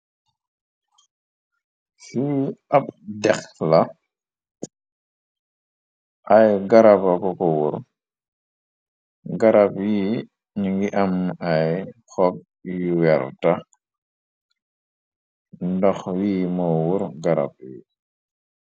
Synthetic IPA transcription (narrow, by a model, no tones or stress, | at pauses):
siapdɛxla | ʔajɡaɾapakɔkɔwuɾ | ɡaɾapji | ɲuɡiʔamajxɔp̚ | juwɛɾta | ndɔxwiːmɔwuɾɡaɾa̰p̚ji